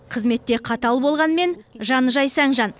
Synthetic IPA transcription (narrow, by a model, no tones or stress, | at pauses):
qʰəzme̞t̪ːe̞qʰɑt̪ɑlˠbo̞lˠʁɑnme̞nʒɑnəʒɑjsæŋʒɑn